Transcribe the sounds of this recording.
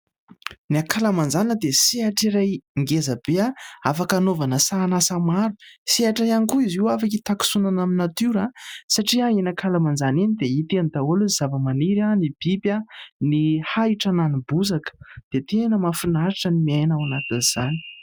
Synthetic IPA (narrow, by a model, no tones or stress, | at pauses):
niakʰalamand͡zanəd̪esiaʈ͡ʂiɾajŋɡezəb̥eaafakanovanəsaːnasamaɾusieaʈ͡ʂajankuiziwafakit̪aku̥sunanaminat̪iɾasaʈ͡ʂiaenakʰalamand͡zaninid̪eit̪enid̪aoluz̥avəmaniɾanib̥ibʲanihaiʈ͡ʂananibuzakə̥d̪̥et̪enəmafunaɾiʈ͡ʂənimiajnawanat̪iniz̥ani̥